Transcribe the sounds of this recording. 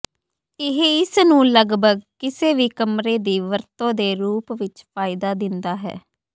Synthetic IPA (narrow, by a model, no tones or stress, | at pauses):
ɪɦeːɪsnũːləɡbʱəɡkɪseːʋiːkəmɾeːd̪iːʋəɾt̪õːd̪eːɾuːpʋɪt͡ʃpʰaːɪd̪aːd̪ɪnd̪aːɦɛ̰ː